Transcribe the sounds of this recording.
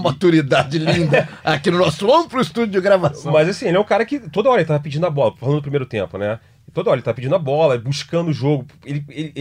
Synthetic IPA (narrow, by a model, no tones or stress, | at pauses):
mat̪uɾid̪ad͡ʒɪlĩnd̪akinʊnɔsʊlõpɾʊɪst̪ud͡ʒʊʊɡɾavasmɐzasĩelɛũkaɾɐkɪt̪od̪ɐɔɾelɪt̪avɐpid͡ʒĩd̪ʊɐbɔlɐfal̃d̪ʊpɾimejɾʊt̪ẽmpʊnɛ | ɪt̪od̪ɐɔɾelɪt̪aɐpid͡ʒĩd̪ɐabɔlɐbuʃkɐ̃nd̪ʊʒoɡʊelɪelɪ